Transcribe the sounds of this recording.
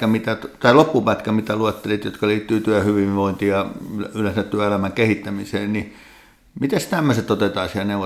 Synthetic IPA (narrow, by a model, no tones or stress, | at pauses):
æmit̪æt̪ɑilopːupæt̪kæmit̪æluet̪ːelit̪jot̪kɑliːt̪ːyːt̪yæhyʋiʋʋoint̪iːjɑlylensæt̪t̪yæelæmæŋkehit̪ːæmiseːnni | mit̪est̪æmːøset̪ot̪et̪ɑːsihæneuʋo